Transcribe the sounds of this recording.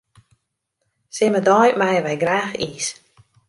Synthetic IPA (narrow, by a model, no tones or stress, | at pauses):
sɪmədɔjmajəʋɛjɡraːxiːs